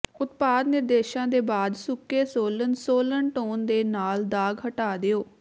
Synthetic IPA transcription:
ʊt̪̚paːd̪nɪɾd̪eːʃãːd̪eːbaːd̪sʊkːeːsoːlənsoːlənʈoːnd̪eːnaːld̪aːɡɦəʈaːd̪eːoː

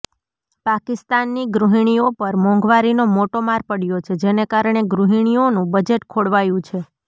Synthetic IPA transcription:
pakist̪anːiɡɾuɦiɳ̃iopəɾmɔ̃ŋɡʋaɾinomoʈomaɾpəɽjot͡ʃʰed͡ʒenekaɾɳeɡɾuɦiɳ̃ionũbəd͡ʒeʈkʰoɽʋajũt͡ʃʰe

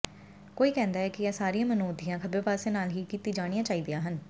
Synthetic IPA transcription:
koːiːkɛ̃ːnd̪aːɦɛːkɪɛːsaːɾijãːmənoːd̪ɪjãːkʰəbeːpaːseːnaːlɦiːkiːt̪iːd͡ʒaːɽ̃ijãːt͡ʃaːiːd̪ejãːɦən

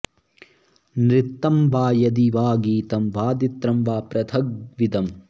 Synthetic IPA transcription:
nɾit̪ːɐmbaːjɐd̪iʋaːɡiːt̪ɐmʋaːd̪it̪ɾɐmʋaːpɾɐt̪ʰɐɡ̚ʋid̪ɐm

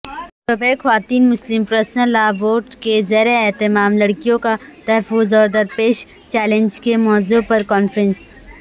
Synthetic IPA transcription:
sobɛːxɐʋaːt̪iːnmʊslɪmpɾəːsnəɾlaːboːɾʈkezɐːɾaɛt̪ɪmaːmlɐɽkijõkat̪ɐɦəfʊzɔːɾd̪ɐɾpeːʃ | t͡ʃɛːlẽnd͡ʒkemɔːzuːpɐɾkɔːnfɾə̃ns

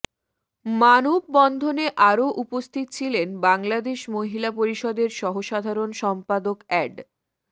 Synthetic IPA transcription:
manob̚ːɔnd̪ʱoneʔaɾoʔupost̪ʰit̪t͡ɕʰilenbaŋlad̪eʃmoɦilapoɾiʃɔd̪eɾʃɔɦoʃad̪ʱaɾonʃɔmpad̪okɛɖ

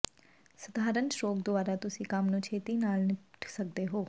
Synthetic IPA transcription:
səd̪ʱaːɾənʃɾoːkd̪ʊaːɾaːt̪ʊsĩːkəmnũːt͡ʃʰeːt̪iːnaːlnɪʈʰsək̚d̪eːɦoː

